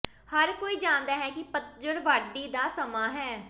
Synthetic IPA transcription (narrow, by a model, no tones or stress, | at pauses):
həɾkoːiːd͡ʒãːnd̪aːɦɛːkɪpət̪̚d͡ʒəɽʋaɾd̪iːd̪aːsəmaːɦɛː